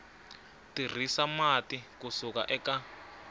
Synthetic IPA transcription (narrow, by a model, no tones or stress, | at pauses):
tir̤isamatikusuka̰ʔɛka